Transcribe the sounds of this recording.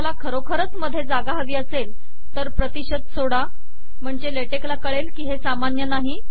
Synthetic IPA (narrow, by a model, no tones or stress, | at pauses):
alakʰəɾokʰəɾət͡sməd̪ʱːjed͡zaɡaɦəʋiːəsel | t̪əɾpɾət̪iɕəd̪̚soɽa | m̤əɳd͡ʑeleʈeklakəɭelkiːɦesamanjənaɦi